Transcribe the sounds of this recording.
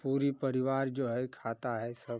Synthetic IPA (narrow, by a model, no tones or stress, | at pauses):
puːɾipɐɾɪʋaːɾd͡ʒoːɦɛkʰaːt̪aɦɛsɐb